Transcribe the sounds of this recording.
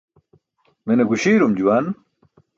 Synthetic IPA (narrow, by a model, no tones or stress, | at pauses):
meneɡuɕiːɾumd͡ʑuwan